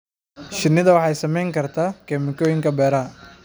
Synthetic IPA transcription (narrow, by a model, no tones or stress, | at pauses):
ʃɪnɪðɐwɑħɑjsɐmɛjŋkʰɐrt̪ʰaːkʰɛːmɪkʰɔːjɪŋkʰɐbɛːɾɐɦɐ